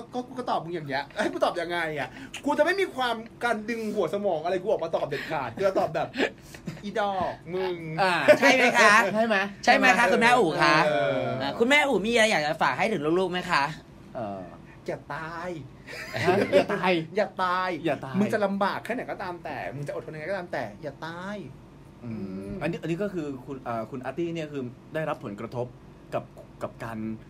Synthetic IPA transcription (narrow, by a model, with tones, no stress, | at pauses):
kɔ˥˩kɔː˥˩ku˧kɔ˥˩t̪ɔː˨˩p̚mɯ˧ja˨˩ŋːni˦˥əʔa˧˦˥kuː˧˦t̪ɔː˨˩p̚ja˧ŋːa˧jʔa˨˩kʰu˧t͡ɕa˨˩ma˥˩jmiː˧kʰwaː˧mkaː˧ndɯ˧ŋhu˨˩˦əsa˧mɔː˩˦ŋʔa˧ɾa˧jkʰu˧bɔː˨˩kmaː˧t̪ɔː˨˩p̚de˨˩t̪̚kʰaː˨˩t̪̚kʰu˧a˧t̪ɔː˨˩p̚bɛː˨˩p̚ | ʔiː˧˩dɔː˧˩k̚mɯ˩˧ŋaː˧˩t͡ɕʰa˥˩jma˦˥kʰa˥˦˥t͡ɕʰa˥˩jma˦˥jt͡ɕʰa˥˩jma˦˥jkʰa˦˥ku˧nmɛː˥˩ʔuː˨˩˦kʰa˦˥˧ʔaː˨˧˩kʰu˧nmɛː˥˩ʔuː˨˩miː˧ʔa˧jaː˨˩k̚t͡ɕa˨˩faː˨˩k̚ɦa˥˩jt̪ʰɯ˩˦ŋlu˦˥˧kluː˥˩ma˦˥jkʰa˦˥ʔ | ʔəː˧˩ | jaː˨˩t̪aː˧j | jaː˨˩t̪ːjjaː˨˩t̪aː˧jjaː˨˩t̪aː˧mɯ˧t͡ɕa˨˩la˧mbaː˨˩k̚ʰːa˥˩na˨˦jkɔː˥˩t̪aː˧mt̪ɛ̰ː˨˩mɯ˧ŋt͡ɕa˨˩ʔo˨˩t̪ʰja˧jkːɔ˥˩aː˧mt̪ɛː˨˩jaː˨˩t̪aː˧j | ʔɯɯː˧˩ʔa˧nːiː˦˥ʔa˧nːi˦˥kɔː˥˩kʰɯː˧kʰu˧nʔəː˨˩kʰu˧nʔaː˧t̪iː˥˩ni˥˩ɐkʰɯː˧daː˥˩jɾa˦˥pʰːo˩˦nkɾa˧t̪ʰo˦˥p̚ | ka˨˩p̚ka˨˩p̚kaː˧n